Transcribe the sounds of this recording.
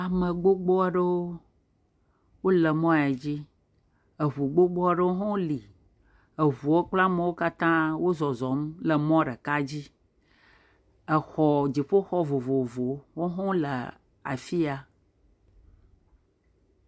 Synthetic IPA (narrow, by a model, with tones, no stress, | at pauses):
a˨mə̃˨ɡ͡bo˦ɡ͡bɔ˦a˨ɖə˦wo˦ | wo˦lə˨mɔ̃˦˨a˨d͡ʑi˦ | ə˨βu˨ɡ͡bo˦ɡ͡bɔ˦a˦ɖə˦wo˦ɦɔ̃˦li˨ | ə˨ɦu˨wo˦k͡pla˦mə˨wo˦ka˦t̪ã˦wo˦zɔ˨zɔ˨˦mlə˨mɔ̃˦ɖə˨ka˦d͡ʑi˦ | ə˨xɔ˨d͡ʑi˨ɸo˦xɔ˦vo˨vo˨vo˨wo˦ɦɔ̃˦lə̰˨ | a̰˨fi˦a˨